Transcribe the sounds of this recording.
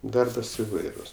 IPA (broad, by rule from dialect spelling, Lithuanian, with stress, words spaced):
ˈdɐrbɐs ɪˈʋɐɪrʊs